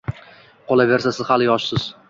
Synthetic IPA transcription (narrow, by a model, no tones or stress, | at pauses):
qʰolave̞ɾsasɪzhalɪjɒʃsɪz̥